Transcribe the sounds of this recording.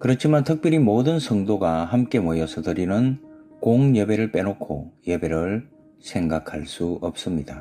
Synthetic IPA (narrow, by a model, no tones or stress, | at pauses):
kɯɾʌt͡ɕʰimantʰʌk̚p͈jʌɾimodɯnsʰʌŋdoɡahamk͈e̞mojʌsʰʌtɯɾinɯnkoŋjebe̞ɾɯɭp͈e̞nokʰo̰jebe̞ɾɯɭ | sʰe̞ŋɡakʰaɭs͈uʌp̚s͈ɯmɲid̥a